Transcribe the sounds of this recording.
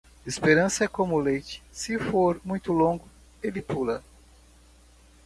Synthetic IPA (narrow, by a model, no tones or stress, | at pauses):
espeɾɐ̃sɐɛkõmʊlejt͡ʃɪ̥sɪfoɾmũj̃t̪ʊlõŋɡʊ | elɪpulɐ